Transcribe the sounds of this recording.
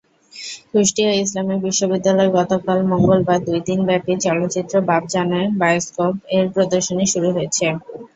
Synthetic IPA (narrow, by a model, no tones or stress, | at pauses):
kɾiʃʈiois̬lamiɾbiʃːobid̪ːalɔeɡɔt̪okalmoŋɡolbaɾd̪ujd̪inbɛpit͡ɕɔlot̪ːt͡ɕit̪ːɾobab̚d͡ʑaneɾbajeskopeɾpɾod̪oɾʃoniʃuɾuɦoet͡ɕʰe